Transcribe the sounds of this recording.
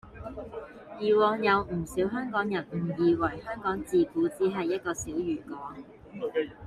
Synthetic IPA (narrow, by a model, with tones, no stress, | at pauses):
jiː˨˧wɔː˧ŋjɐ˨˧wm̩˨˩siː˨˥wɦœː˥ŋkɔː˨˥ŋjɐ˨˩nm̩˨˩jiː˨˧wɐ˨˩jhœː˥ŋkɔː˨˥ŋt͡siː˨kuː˨˥t͡siː˨˥ɦɐ˨jːɐ˥t̚kɔː˧siː˨˥wjyː˨˩kɔː˨˥ŋ